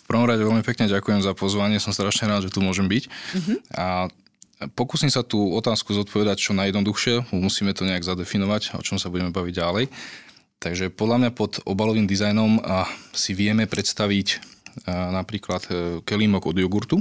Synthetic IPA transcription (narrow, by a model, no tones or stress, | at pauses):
fpr̩ʋɔmɾaɟɛʋɛlmipɛkɲɛɟakujɛmzapɔzʋaɲɪɛsɔmst̪ɾaʃɲɛɾaːd̪ʒɛt̪umʊɔʒɛmbic | a | pɔkuːsimsat̪uːɔt̪aːskuzɔt̪̚pʰɔʋɛd̪ac̚t͡ʃɔnajɛd̪nɔd̪uxʃɪɛmumusiːmɛt̪ɔɲɛaɡzad̪ɛfinɔʋacɔ̰t͡ʃɔmsabuɟɛmɛbaʋiɟɟalɛj | t̪aɡʒɛpɔd̪lamɲapɔd̪ɔbalɔʋiːmd̪izajnɔmsiʋɪɛmɛpɾɛt̪st̪aʋic | napɾiːklat̪kɛliːmɔɡɔd̪jɔɡuɾt̪u